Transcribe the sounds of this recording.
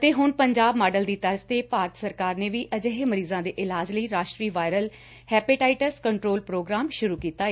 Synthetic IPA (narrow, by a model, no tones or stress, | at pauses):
t̪eːɦʊnpəɲd͡ʒaːbmaːɖəld̪iːt̪əɾst̪eːpaːɾt̪səɾkaːɾneːʋiːʔəd͡ʒəɦeːməɾiːzãːd̪eːʔɪlaːd͡ʒləiːɾaːʃʈɾiːʋaːjɾəl | hɛːpɪʈaːɪʈəskəɳʈɾoːlpɾoːɡɾaːmʃʊɾuːkiːt̪aːe